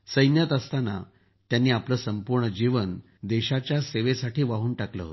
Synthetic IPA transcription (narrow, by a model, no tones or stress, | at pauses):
səjnjat̪əst̪ana̰ | t̪janːiːapləːsəmpuɾɳəd͡ʑiʋən | d̪ɛɕat͡ɕjaseʋesaʈiːʋaɦuːnʈaklə̰ɦo̰t̪